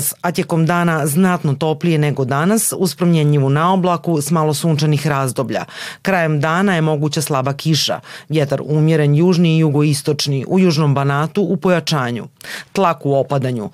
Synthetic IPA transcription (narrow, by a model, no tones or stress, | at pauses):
sat̪jeko̞md̪aːnaznat̪no̞t̪o̞plije̞neɡo̞d̪anasuspɾomjeɲiʋunaoblˠakusmalo̞suːnt͡ʃanixɾaːzd̪o̞bʎa̰kɾaje̞md̪aːnaje̞mo̞ɡut͡ɕaslˠabakʰiʃa̰ʋjet̪aɾuːmjeɾenjuːʒniːjuɡo̞ist̪o̞t͡ʂniʔujuːʒno̞mbanaːt̪uʔːpo̞jat͡ʃaːɲṵt̪lˠakuo̞pad̪aɲṵ